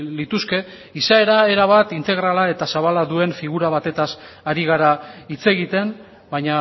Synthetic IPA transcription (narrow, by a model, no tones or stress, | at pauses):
lit̪uske̞ | isae̞ɾae̞ɾaβat̪int̪e̞ɣ̞ɾalae̞t̪asaβalaðue̞ɱfiɣ̞uɾaβ̞at̪e̞t̪asaɾiɣ̞aɾait͡se̞ɣit̪e̞m | baɲa